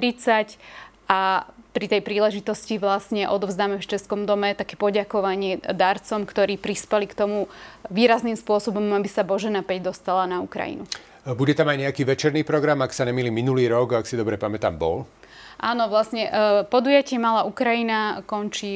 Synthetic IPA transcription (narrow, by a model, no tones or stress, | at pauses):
ɾit͡sacʔapɾit̪ɛjpɾiːlɛʒit̪ɔsciʋlasɲɛʔɔd̪ɔvzd̪aːmɛft͡ʃɛskɔmd̪ɔmɛt̪akɛːpɔɟakɔʋaɲɪɛd̪aɾt͡sɔmkt̪ɔɾiːpɾispɛlikt̪ɔmuʋiːɾaznimspʊɔsɔbɔmabisabɔʒɛnapɛɟd̪ɔst̪alanaukɾa̰jḭnu | buɟɛt̪amajɲɛakiːʋɛt͡ʃɛɾniːpɾɔɡɾamaksaɲɛmiliːminuliːɾɔɡaksid̪ɔbɾɛpamɛt̪a̰ːmbɔ̰l | ʔaːnɔʋlasɲɛpɔd̪ujacɪɛmalaːʔukɾajinakɔnt͡ʃi